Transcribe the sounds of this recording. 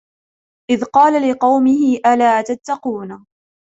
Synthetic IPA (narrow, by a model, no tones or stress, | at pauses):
ʔɪðqɑːlalɪqɑwmɪhɪʔalaːt̪at̪ːɑquːna